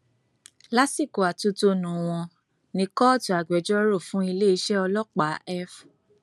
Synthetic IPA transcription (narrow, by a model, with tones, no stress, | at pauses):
la˦si˦˨ko˨a˨tu˨˧to˧nũ˨w̃ɔ̃˧ | nĩ˧kɔ˦˨tu˨a˨ɡ͡bɛ˨˦d͡ʒɔ˦ɾo˦˨fũ˦i˧le˦i˧˦ʃɛ˦ɔ˧lɔ˦k͡pa˨˦ɛ˦f